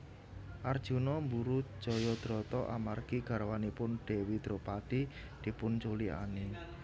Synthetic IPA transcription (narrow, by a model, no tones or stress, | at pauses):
ʔard̥ʒ̥unɔmbuɾud̥ʒ̥ɔ̤jɔd̪̥ɾɔt̪ɔʔa̰marɡ̥iɡ̥a̤ɾwanipʊnɖ̥ewid̪̥ɾo̤pat̪i | d̪̥i̤pʊnt͡ʃulia̰ne